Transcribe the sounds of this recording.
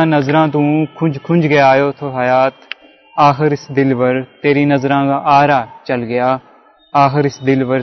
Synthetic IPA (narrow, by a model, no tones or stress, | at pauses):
ãːnəzɾãːt̪̬ũːkʰʊd͡ʒkʰʊ̃nd͡ʒɡeaːjoːt̪ʰoːɦəjaːt̪ | aːxɪɾɪsd̪ɪlʋəɾt̪eːɾĩːnəzɾãːkaʔaːɾaːt͡ʃəlɡɪjaː | aːxɪɾɪsd̪ɪlʋəɾ